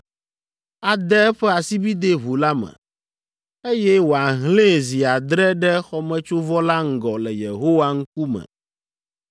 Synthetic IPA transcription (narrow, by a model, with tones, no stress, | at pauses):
a˨d̪ɛ˦ɛ˦ɸɛ˦a˨si˦bi˦d̪e˦βu˨la˦mɛ̰̃˨ | e˦jɛ˦wo˨a˨ɦlẽ˦zi˨a˨d̪ɾɛ˦ɖɛ˦xɔ˦mɛ̃˦t͡ʃo˦vɔ˦la˦ŋ̩˨ɡɔ˨lɛ˨jḛ˨ɦo˦wa˦ŋ̩˦k̚u˦mɛ̰̃˨